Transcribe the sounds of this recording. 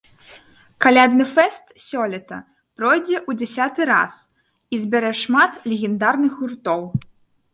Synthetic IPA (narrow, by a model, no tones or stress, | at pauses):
kalʲad̪nɨfɛst̪sʲɔlʲɛt̪ɐ̰ | pɾɔjd͡zʲɛʔud͡zʲɛsʲat̪ɨɾa̰s | izʲbʲɛɾɛʂmat̪lʲɛɣʲɛnd̪arnɨxɣurt̪ɔw